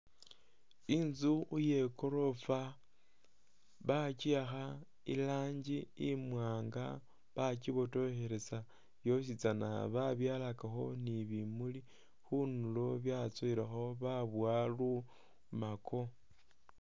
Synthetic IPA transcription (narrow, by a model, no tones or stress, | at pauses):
inzuuje̞ko̞ɾo̞fa | βat͡ʃiaxa | ḭlaːɲɟiimwaaːŋɡa | βat͡ʃiβo̞to̞xe̞ɾe̞sa | jo̞s̬it͡sana̰βaβjaːlakaxo̞niβimuli | xunuloβjat͡soiɾaxo̞βaβwalu | makʰo